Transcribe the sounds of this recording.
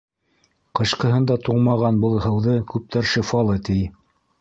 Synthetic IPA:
qɤ̆ɕqɤ̆ɦɤnd̪ɑt̪uɴmɑʁɑnbɤlˠhɤ̆wðɤkʉp̚t̪ʰæɾʃɘfɑlˠɤt̪ij

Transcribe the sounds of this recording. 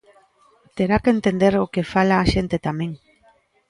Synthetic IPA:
t̪eɾakent̪end̪eɾokefalaːʃent̪et̪amẽŋ

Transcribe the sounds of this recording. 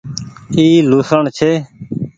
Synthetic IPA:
iːluːsəɳt͡ʃʰeː

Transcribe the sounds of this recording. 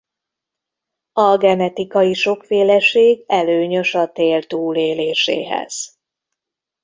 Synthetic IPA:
ɒɡɛnɛt̪ikɒjiʃo̞kfeːlɛʃeːɡɛløːɲø̞ʃɒt̪eːlt̪uːleːleːʃḛːɦɛ̰z̥

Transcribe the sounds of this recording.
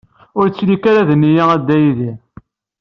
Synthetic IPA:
ʊɾt͡sːlikaɾaðənːijaæd̪ːæjiði

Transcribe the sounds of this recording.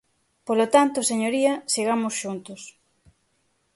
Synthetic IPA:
polot̪ant̪ʊseɲoɾiɐseɣ̞amʊsʃunt̪ʊs

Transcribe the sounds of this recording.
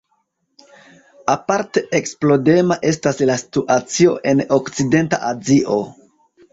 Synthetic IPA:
apaɾte̞ʔeksplo̞de̞maʔe̞staslasi̥tuʔat͡sio̞ʔe̞nokt͡side̞nta̰ʔaziʔo̞

